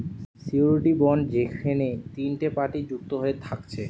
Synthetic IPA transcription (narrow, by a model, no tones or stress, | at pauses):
siuɾʈibɔɳɖd͡ʑekʰenet̪inʈepaʈid͡ʑuk̚t̪oɦoet̪ʰakt͡ɕʰe